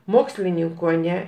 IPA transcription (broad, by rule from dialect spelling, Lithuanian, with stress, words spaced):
ˈmoːksʲlʲɪnʲɪŋkoː ɐˈnʲɛ